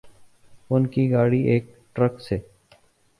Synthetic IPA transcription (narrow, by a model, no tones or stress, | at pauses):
ʊnkiɡaːɽiːʔeːk̚ | ʈɾəkseː